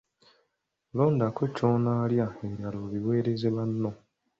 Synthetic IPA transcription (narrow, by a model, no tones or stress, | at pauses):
loːndakoconaːljaeɾaloβiwe̞ːɾezeβanːo